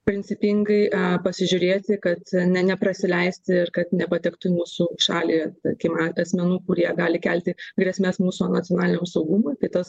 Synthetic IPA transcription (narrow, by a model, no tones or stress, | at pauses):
pʲɾʲɪnʲt͡ssʲɪpʲɪŋɡɐɪʔɐpɐsʲɪʒʲʊɾʲeːt̪ʲɪkɐt̪nʲɛnʲɛpɾɐsʲɪlʲɛɪsʲt̪ʲɪɪrkɐt̪nʲɛpɐt̪ʲɛkt̪ʊmuːsuʃɑːlʲit̪ɐkʲɪmɑɐsʲmʲɛnuːkʊɾʲiɛɡɑːlʲɪkʲælʲt̪ʲɪɡɾʲɛsʲmʲesmuːsunɐt͡sʲjoɔnɑːlʲɪnʲoːmsɐʊɡumoːk̪ʲɪt̪ɐs